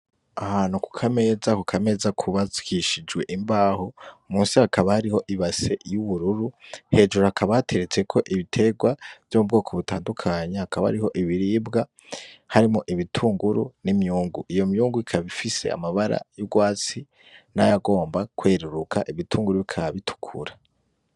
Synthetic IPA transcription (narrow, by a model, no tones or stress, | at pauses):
ahanuku̥kʰame̞ːzakukʰame̞ːzakʰuβazi̥kʰiʃid͡ʒɡwe̞ʔimbaːhomuːnsihakʰaβahaɾiho̞ʔiβase̞juβuɾuɾuhe̞ːd͡ʒuɾahakʰaβate̞ɾet͡se̞kʰo̞ʔiβitʰe̞ɡwav̥jomubɡo̞ːkʰoβutaːndukʰaɲahakaβaha̰ɾihoʔiβiɾiːbɡa | haɾimoʔiβitʰuːŋɡuɾunimjuːŋɡuʔijo̞mjuːŋɡuikʰaβifise̞̰a̰maβaɾa̰jubɡwaːt͡si | najaɡo̞ːmbakwe̞ːɾuɾukʰaʔiβitʰuːŋɡuɾuβikʰaβaβitʰu̥kʰṵɾa